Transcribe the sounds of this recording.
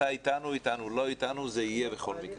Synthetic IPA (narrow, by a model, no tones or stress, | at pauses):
ait̪anuit̪anulo̞it̪anuzeijebe̞χo̞lmikʁ